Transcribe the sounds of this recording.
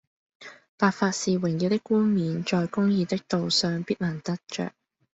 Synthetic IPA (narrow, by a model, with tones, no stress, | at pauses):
paː˨˧t̚faː˧t̚siː˨wɪ˨˩ŋjiː˨˧wt̪ɪ˥kːuː˥nmiː˨nt͡ʃɔː˨˧jkʊ˥ŋjiː˨˧t̪ɪ˥k̚t̪o˨wsœː˨ŋpiː˥t̚laː˨˩nt̪ɐ˥t̚t͡ʃœ̰ː˨k̚